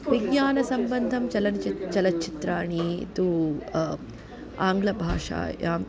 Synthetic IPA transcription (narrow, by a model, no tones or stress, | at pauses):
ʋiɡɲaːnɐsɐmbɐnd̪ʱɐmt͡ʃɐlɐnt͡ʃɐlɐtt͡ʃit̪ɾaːɳit̪u | aːŋɡlɐbʱaːʂa̰ːjaːm